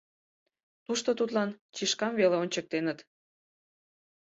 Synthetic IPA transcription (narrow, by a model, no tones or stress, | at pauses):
t̪uʃt̪ot̪ut̪lɑnt͡ɕiʃkɑmveleonʲt͡ɕək̚t̪enət̪